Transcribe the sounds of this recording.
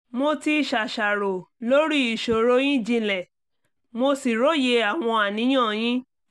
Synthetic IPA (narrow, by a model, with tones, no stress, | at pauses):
mo˧ti˧˨ʃa˨ʃa˨ɾo˨lo˦ɾi˦i˨ʃo˨ɾo˦j̃ĩ˦d͡ʒĩ˧lɛ˨ | mo˧si˨ɾo˦je˧a˦˨w̃ɔ̃˧a˨nĩ˨˦j̃ã˦˨j̃ĩ˦